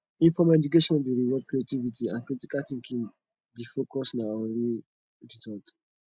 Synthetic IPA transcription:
ĩnfɔmɛd͡ʒukeʃɔ̃ndeɾiwɔd̚kɾietivitiãnkɾitikaθĩŋkĩn | difokɔsnaoli | ɹizɔlt

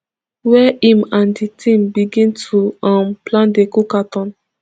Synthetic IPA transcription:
wɛʔĩmãnditʰĩmbiɡĩntʰuãmplãndekukatɔ̃n

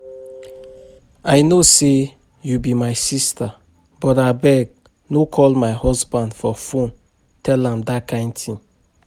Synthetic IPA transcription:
ajnose | jubimajsista | bɔtabɛɡ̚ | nokʰɔlmaɪhɔsbãndfɔfõn | tʰɛlãmdakʰãɪ̃ntʰĩn

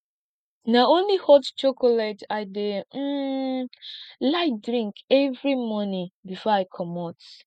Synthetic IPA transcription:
naʊõnlihɔtt͡ʃokɔlataɪdem̩ | laɪtdɹĩŋkɛvɹimɔnĩbifɔaɪkʰɔmɔt

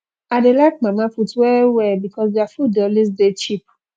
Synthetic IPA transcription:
adelak̚mãmafutwɛwɛbikʰɔsdeafudɛlis̬det͡ʃip̚

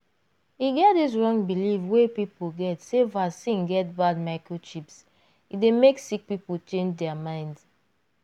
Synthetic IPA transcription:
iɡɛt̚dis̬ɹɔ̃ŋbilifwepipulɡɛtsevasĩnɡɛt̚bad̚maɪkɹoʃips | idemeksik̚pipult͡ʃẽnd͡ʒdɛamãɪ̃nd

